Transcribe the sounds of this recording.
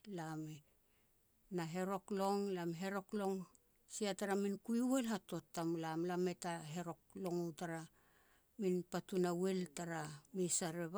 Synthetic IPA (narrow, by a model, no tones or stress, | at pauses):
lame | naɦe̞ɾo̞klo̞ŋlamɦe̞ɾo̞klo̞ŋ | siataɾaminkujwe̞lɦato̞tːamlamlame̞taɦe̞ɾo̞k̚lo̞ŋutaɾa | minpatunawe̞ltaɾamisaɾeβa